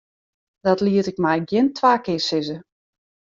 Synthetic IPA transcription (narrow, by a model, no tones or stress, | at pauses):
d̥ɔtliətɪk̚mɛjɡjɪntʰʋaːkɪsɪzə